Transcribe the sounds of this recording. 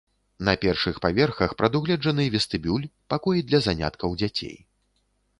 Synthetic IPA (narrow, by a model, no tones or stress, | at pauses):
nɐpʲɛrʂɨxpavʲɛrxɐxpɾɐd̪uɣlʲɛd͡ʐɐnɨvʲɛst̪ɨbʲulʲpakɔjid̪lʲɐzanʲa̰t̪kɐwd͡zʲat͡sʲḛj